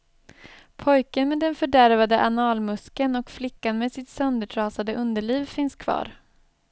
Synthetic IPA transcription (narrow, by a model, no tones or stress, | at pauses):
pʰɔjkənmeːd̪ɛnfœɖæɾvad̪əʔanɑːlmɵskənɔkflɪkːanmeːd̪sɪt̪sœnd̪əʈʰɾɑːsad̪əʔɵnd̪əɭiːvfɪnskʰv̥ɑ̰ːɾ